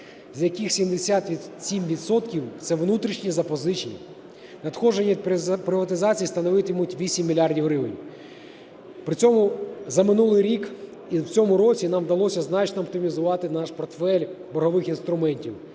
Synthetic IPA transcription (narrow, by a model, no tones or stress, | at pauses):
zʲjɐkɪxsʲimd̪esʲat̪ʋʲsʲimʋʲid̪sɔt̪kʲiwt̪sɛʋnut̪ɾʲiʃnʲizɐpɔzɪt͡ʃnʲḭ | nɐd̪xɔʒenʲipɾɪʋɐt̪ɪzɑt͡sʲijst̪ɐnɔʋɪt̪ɪjmutʲʋʲisʲimʲːilʲɑrdʲiwɾɪʋɪ̰nʲ | pɾɪt͡sʲɔmʊzɐmɪnulˠɪjɾʲik | iwt͡sʲɔmʊɾɔt͡sʲinɑmd̪ɐlˠɔsʲɐznɑt͡ʃnɔːp̚t̪ɪmʲizʊʋɑt̪ɪnɑʃpɔrt̪fɛlʲbɔɦɔʋɪxinst̪ɾʊmɛnʲtʲiw